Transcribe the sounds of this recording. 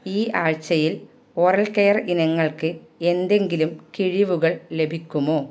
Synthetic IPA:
iːʔaːɻt͡ɕɐjil | orɐɭkejɐrinɐŋːɐɭkɨ | e̞nd̪e̞ŋɡilumkiɻiʋuɣɐɭle̞bʱikʲːumoː

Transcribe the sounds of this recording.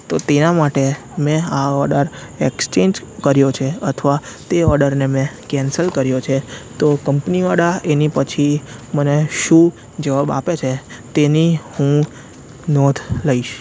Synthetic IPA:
t̪ot̪enamaʈe | mɛ̃aɔɾɖəɾekst͡ʃeɲd͡ʒ | kəɾjot͡ʃʰeət̪ʰəʋat̪eɔɾɖəɾnemẽkɛ̃nsəlkəɾjot͡ʃʰet̪okəmpniaɽaenipət͡ʃʰiməneʃũ | d͡ʒəʋaba̰pet͡ʃʰet̪enihũ | nɔt̪ʰləiʃ

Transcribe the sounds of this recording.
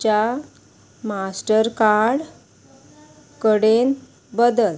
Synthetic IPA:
t͡ɕa | masʈəɾkaɽ | kəɽen | bəd̪əl

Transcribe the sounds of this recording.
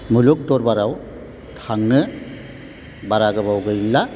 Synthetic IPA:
muluk̚dɔɾbaɾaw | tʰaŋnɯ | baɾaɡɯbawɡɯjlːa

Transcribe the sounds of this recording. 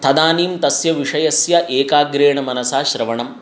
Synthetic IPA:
t̪ʰɐd̪aːniːmt̪ɐsjɐʋiʂɐjɐsjɐʔeːkaːɡɾeːɳɐmɐnɐsaːʃɾɐʋɐɳɐm

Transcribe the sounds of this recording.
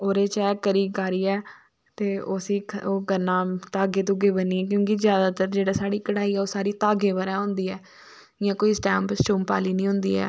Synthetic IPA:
oːɾeːt͡ʃɛːkəɾiːkaːɾiːɛː | t̪eːoːsiːoːkəɾnaːt̪aːɡeːt̪ʊɡeːbəniːɛːk̬jõːkɪzjaːd̪aːt̪əɾd͡ʒeːɽaːsaːɽiːkəɽaːiːɛːoːsaːɽiːt̪aːɡeːbəɾãːɦʊ̃nd̪iːɛː | ɪjãːkoːisʈɛːmpsʈuːmpa̰ːliːnĩːɦʊ̃nd̪ḭːɛ̰ː

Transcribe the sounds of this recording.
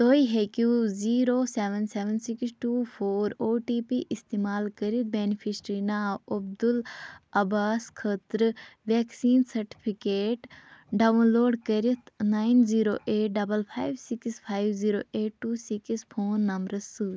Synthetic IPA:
t̪oːiɦekjuziːɾoːseːʋənseːʋənsiksʈuːpʰoːɾoːʈiːpiʔist̪eːmaːlkɐɾit̪̚beːnipʰisʈɾinaːɐbd̪ulɐbaːskʰəːt̪ɾʋeːksiːnsɐɾʈi̥pʰikeːʈɖaʋnloːɖkɐɾit̪ʰnaːinziːɾoːʔeːʈ̚ɖɐbəlpʰaːjʋsikspʰaːjʋziːɾoːʔeːʈːuːsikspʰoːnːɐmbɾɐsuː

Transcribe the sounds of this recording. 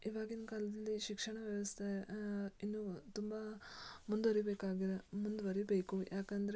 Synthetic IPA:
iʋaːɡinːɐkaːlɐd̪ɐlːiʃikʂɐɳɐʋjɐʋɐst̪ʰeinːut̪umbamund̪ʋɐɾibeːkaːɡiɾemund̪uʋɐɾibeːkujaːkend̪ɐɾe

